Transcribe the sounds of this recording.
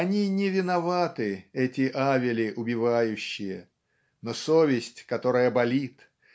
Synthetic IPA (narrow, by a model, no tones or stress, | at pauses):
ɐnʲinʲɪvʲɪnɐvat̪ɨɛtʲɪʔavʲɪlʲɪʔʊbʲɪvajʉɕːɪjə | nosovʲɪsʲtʲkɐt̪o̞ɾəjəbɐlʲit̪